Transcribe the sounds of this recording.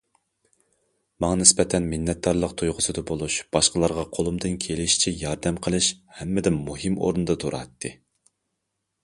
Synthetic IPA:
mɑŋɑnɪspɛt̪ʰɛnmɪnːɛt̪̚d̪ɑɾlˠəqt̪ʰujʁʊsɨd̪ɑbolˠuʃb̥ɑʃqəlˠɑɾʁɑqʰolˠumd̪ɨnkʲʰelɪʃi̥t͡ʃʰijɑɾd̪ɛmqʰəlˠɨʃhɛmːɪd̪ɪnmːuɦɨmo̰ɾnɨd̪ɑt̪ʰoɾɑ̰t̪ʰːɨ

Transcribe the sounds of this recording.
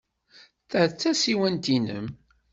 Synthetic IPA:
θəʕt͡sːæsiwænt̪inə̰m

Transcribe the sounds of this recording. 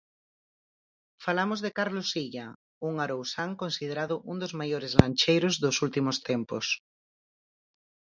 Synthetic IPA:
falamozðekaɾlosiʎa | uŋaɾowsaŋkõnsið̞eɾaðʊʔund̪ozmajoɾezlant͡ʃejɾozðosult̪imost̪empo̰s

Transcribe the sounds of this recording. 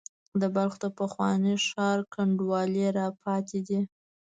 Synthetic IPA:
d̪əbalxod̪əpəxwɑ̰nəʂɑɾkaɳɖwɑleɾɑpʰɑt̪ed̪i

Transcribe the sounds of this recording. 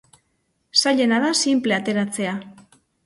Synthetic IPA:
saʎe̞naðasimple̞at̪e̞ɾat͡se̞a

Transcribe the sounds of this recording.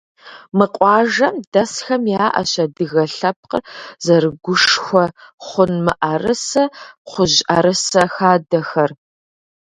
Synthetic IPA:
mɨqʷʼɑːʒɐmdɐsxɐmjaːʔɐ̰ɕɐdɨɣɐɬɐp̚ʰqə̰rzɐrɨɡʷʊʂxʷɔχʷʊnmɨʔɐrɨsɐqʷʊʑʔɐɾɨsɐxaːdɐxɐr

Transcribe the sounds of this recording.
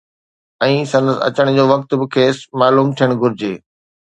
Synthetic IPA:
ɛ̃ːsɐ̃nd̪əsɐ̰t͡ɕəɽ̃d͡ʑoːʋɐk̚t̪bɪkʰeːsmaːluːmt̪ʰijəɽ̃ɡʱʊɾɪd͡ʑeː

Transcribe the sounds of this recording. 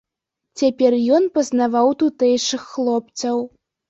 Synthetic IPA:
t͡sʲapʲɛrjɔnpɐznavawt̪ut̪ɛjʂɨxːlˠɔp̚t͡s̪ʲɐw

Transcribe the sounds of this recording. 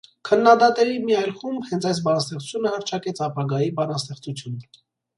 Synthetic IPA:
kʰənːɑd̪ɑt̪ɛɾimiɑjlχumbhɛnt͡sʰɑjs̬bɑnɑst̪ɛχt͡su̥t͡sʰjunəhɑɾt͡ʃʰɑkɛt͡sʰɑpɑɡɑjibɑnɑst̪ɛχt͡sut͡sʰjun

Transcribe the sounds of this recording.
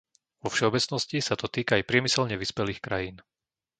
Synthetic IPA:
ʋɔfʃɛɔbɛt͡snɔscisat̪ɔt̪iːkaajpɾɪɛmisɛʎɲɛʋispɛliːxkɾajiːn

